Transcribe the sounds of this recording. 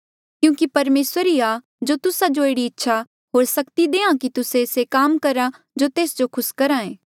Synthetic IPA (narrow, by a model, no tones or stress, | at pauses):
kjũːkipɐɾmeːsəɾiaː | d͡ʒoːt̪ʊsad͡ʒoeːɽiɪtːʃʰa | ɦoːɾsɐkt̪id̪eːãkit̪ʊsẽsekaːmkɐɾa | d͡ʒoːt̪eːsd͡ʒokʰʊskɐɾãẽː